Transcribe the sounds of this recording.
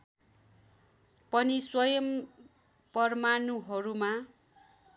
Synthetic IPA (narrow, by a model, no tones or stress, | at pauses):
pʌniswʌjʌm | pʌrmanuɦʌɾuma